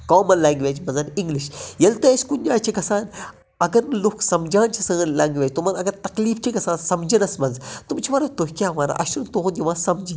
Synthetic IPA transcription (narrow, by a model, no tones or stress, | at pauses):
kɔːmɐnlaːŋɡʋʲeːd͡ʒmɐnzɐniŋɡliʃjɐlt̪ɐɐsʲkund͡ʒaːjt͡ʃʰiɡɐsaːn | ɐɡɐɾnɨloksɐmd͡ʒaːnt͡ʃʰisɐlaːŋɡʋʲeːd͡ʒʲt̪umɐnɐɡɐɾt̪ɐkliːft͡ʃʰiɡɐsãːnsɐmd͡ʒɐnɐsmɐnzt̪umt͡ʃʰiʋɐɾɐt̪oɦʲkʲjaːʋaːna̰ʔɐ̰ʃunt̪oɦund̪iʋãːsɐmd͡ʒi